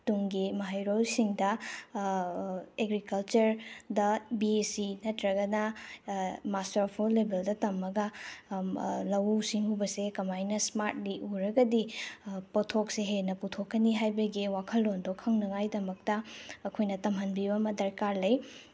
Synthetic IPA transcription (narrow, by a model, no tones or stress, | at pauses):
tuŋɡimɐɦajɾolsiŋdɐ | eɡɾikɐlt͡ʃɐɾdɐbiesinɐtɾɐɡɐnɐ | mastɐɾpʰulːebeldɐtɐmːɐɡɐ | lɐwsiŋubɐsekɐmajnɐsmaɾt̚liʔuɾɐɡɐdipotʰok̚seɦenɐputʰokʰːɐniɦajbɐɡiwakʰɐlːondokʰːɐŋnɐŋajdɐmɐk̚tɐɐkʰojnɐtɐmɦɐnbibɐmɐdɐɾkaɾlɐj